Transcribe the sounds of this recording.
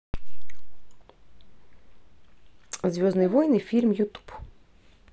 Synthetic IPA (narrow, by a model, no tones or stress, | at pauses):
zʋʲɔznɨjʋɔjnɨfʲilʲmjut̪u̥p